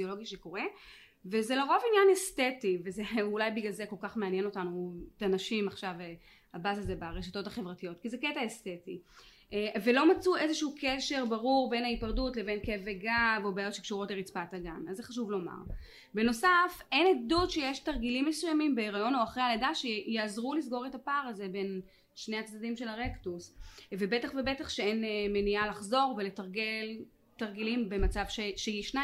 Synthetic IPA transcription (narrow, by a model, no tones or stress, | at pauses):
iolo̞ɡiʃeko̞ʁe | vezeloʁo̞vinjanestetivezeulajbiɡalzeko̞lkaχmeanjeno̞tanuetanaʃimaχʃave | habazazebaʁeʃato̞taχevʁatijo̞tkizeketaesteti | ʔvelo̞mat͡suʔezeʃuukʰeʃe̞ʁbaʁuʁbe̞naipaʁdutle̞ve̞nkeveɡavobaːjo̞tʃekʃuʁo̞tleʁit͡spataɡamazːeχaʃ̬uvlo̞ma̰ʁ | be̞no̞safe̞nedutʃejeʃtaʁɡilimːesujamimbeʁajo̞no̞aχʁehaledaʃejeazʁulis̬ɡo̞ʁe̞tapaʁaze̞be̞n | ʃne̞at͡sdadimʃe̞laʁe̞ktusvebetaχvebe̞taχʃeenmenialaχzo̞ʁvele̞taʁɡe̞l | taʁɡilimbe̞mat͡savʃeʃejiʃna